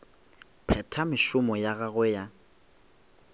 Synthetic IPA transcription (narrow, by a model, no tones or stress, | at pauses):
pʰɛtʰamɪʃʊmɔjaɣaɣɛja